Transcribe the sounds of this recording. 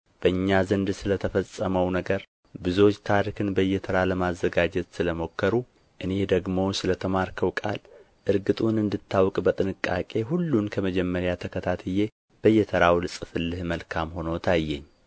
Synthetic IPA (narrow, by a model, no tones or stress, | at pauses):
b̥əɨɲːazənd̪sɨlət̪ʰəfəsʼːəməwnəɡəɾ | bɨzuwot͡ʃːt̪ʰaɾikʰɨnbəjːɛt̪ʰəɾaləmazːəɡad͡ʒɛt̪sɨləmo̞kːəɾu | ʔɨne̞d̪əɡmo̞sɨlət̪ʰəmaɾkʰəwkʼa̰l | ʔɨɾɡɨt̪ʼunɨnd̪ɨt̪ʰːawkʼbət̪ʼɨnɨkʼːakʼe̞ɦulːunkʰəməd͡ʒɛmːəɾjat̪ʰəkʰət̪ʰat̪ʰɨje | b̥əjːɛt̪ʰəɾawlɨsʼɨfɨlːɨhməlkʰamho̞nowt̪ʰajːɛɲː